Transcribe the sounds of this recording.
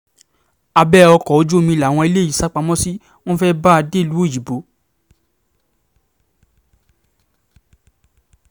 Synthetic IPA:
a˧bɛ˦ɔ˧kɔ˨o˨˦d͡ʒu˦o˦˨mĩ˧la˨w̃ɔ̃˧i˧le˦˨i˨sa˨˦k͡pa˧mɔ̃˦si˦ | w̃ɔ̃˦fɛ˦ba˦a˧de˦˨lu˨˦o˦˨ji˨bo˨˦

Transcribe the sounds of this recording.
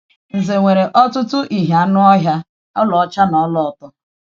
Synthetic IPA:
n̩˨ze˨ŋʷe˨ɾe˨ʔɔ˦tʊ˦tʊ˦ʔi˨ɦa˨˦nʊ˦ɔ˦ɦja˦ | ɔ˦lɔ˨ɔ˦t͡ʃa˦nɔ˨˦lɔ˨ɔ˨tɔ˦

